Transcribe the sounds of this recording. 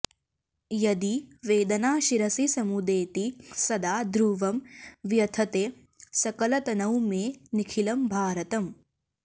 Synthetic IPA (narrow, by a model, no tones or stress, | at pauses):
jɐd̪iʋeːd̪ɐnaːʃiɾɐsisɐmud̪eːt̪isɐd̪aːd̪ɾuːʋɐmʋjɐt̪ʰɐt̪eː | sɐkɐlɐt̪ɐnɐwmeːnikʰilɐmbʱaːɾɐt̪ɐm